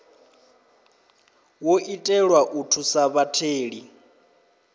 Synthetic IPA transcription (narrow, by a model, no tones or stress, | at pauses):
woʔitʼɛɺwaʔutʰusaβatʰeːɺi